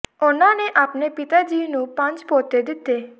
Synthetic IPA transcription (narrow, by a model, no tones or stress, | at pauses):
ʊnãneʔaːpnepɪt̪ad͡ʒiːnũpãɲt͡ʃpoːt̪ed̪ɪt̪ːeː